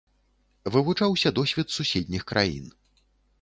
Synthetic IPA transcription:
vɨvut͡ʂawsʲɐd̪ɔsʲvʲɛt̪susʲɛd̪ʲnʲixkɾʔajḭn

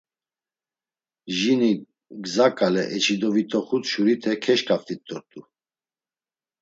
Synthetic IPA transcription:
ʒini | ɡzakʼalɛʔɛt͡ʃʰid̪ɔvit̪ʰɔχut̪ʃuɾit̪ʰɛkʰɛʃkʰʼaft̪ʰʼit̪ʼːɔɾt̪ʼu

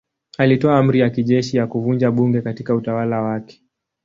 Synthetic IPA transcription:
alitɔam̩ɾijakiʄɛʃijakuvund͡ʒaɓuŋɡɛkatikautawalawakɛ̥

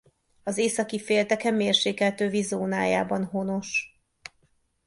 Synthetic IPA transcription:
ɒzeːsɒkifeːlt̪ɛkɛmːeːrʃeːkɛlt̪øːvizoːnaːja̰ːbɒnɦo̞no̞ʃ

